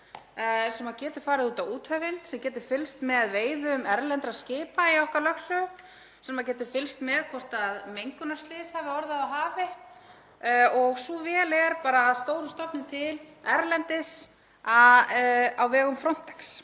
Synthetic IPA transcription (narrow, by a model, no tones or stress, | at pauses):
sɛmacɛːt̪ʏɪ̥faːɾɪðuːt̪awuːt̪hœːvɪnsɛmcɛːt̪ɪɾfɪlst̪mɛðveːjðʏmɛɾlɛnt̪ɾascɪːpaiɔhkalœxsʏ | sɛmmac̬ɛːt̪ɪfɪlst̪mɛðkʰvɔr̥t̪aðmejŋkʏnaɾst̪lɪːsavɪɔɾðaaɦaːvɪ | ɔɣsuvɛːlɛɾpaːɾaːðst̪oːwɾʏst̪ɔp̪nɪt̪ʰɪlɛɾlɛnt̪ɪs | a | awvɛːɣʏmfɾɔn̥t̪ɛ̥ks